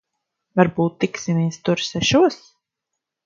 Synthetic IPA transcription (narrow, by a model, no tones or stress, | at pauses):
vaɾbuːt̪ːiksimist̪uɾsɛʃuɔs